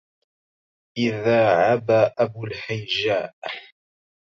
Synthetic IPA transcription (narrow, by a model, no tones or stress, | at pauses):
ʔɪðaːʕabaːʔabʊlħajd͡ʒaːʔ